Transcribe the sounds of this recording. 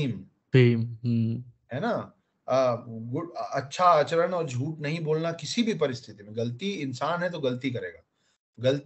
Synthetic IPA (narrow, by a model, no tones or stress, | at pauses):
iːm | tiːmɦmɦɛːna | ɡʊɐtːʃʰaaːt͡ʃəɾənɔːɾd͡ʒʱuːʈnɐɦĩboːlnakɪsibʱipɐɾɪst̪ʰɪt̪imẽɡɐlt̪iɪnsaːnɦɛt̪̬oɡɐlt̪ikɐɾeːɡaː | ɡɐl